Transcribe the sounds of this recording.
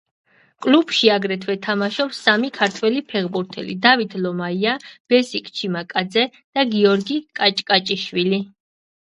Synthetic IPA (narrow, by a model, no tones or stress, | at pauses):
kʼlub̥ʃiaɡɾɛt̪ʰwɛt̪ʰamaʃɔpsamikʰaɾt̪ʰwɛlipʰɛʁbuɾt̪ʰɛ̰lḭd̪avit̪ʰlɔmaiab̥ɛsikʼt͡ʃʰimakʼad̪zɛ | d̪̥aɡiɔɾɡikʼat͡ʃʼkʼat͡ʃʼiʃwili